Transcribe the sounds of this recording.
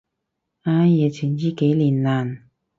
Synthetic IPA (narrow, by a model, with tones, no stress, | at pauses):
aː˧˩jɛ˨t͡ɕʰi˨˩njiː˦˥ke˨˦jliː˨˩nlaː˨˩n